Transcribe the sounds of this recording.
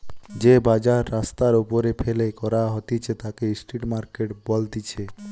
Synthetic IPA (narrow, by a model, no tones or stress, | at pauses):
d͡ʑebad͡ʑaɾːast̪aɾupoɾefʰelekɔɾaɦot̪it͡ɕʰet̪akesʈiʈmaɾkeʈbɔld̪it͡ɕʰe